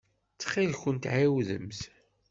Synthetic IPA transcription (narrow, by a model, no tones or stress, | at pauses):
t͡sːχilçənt̪ʕiwðə̰mz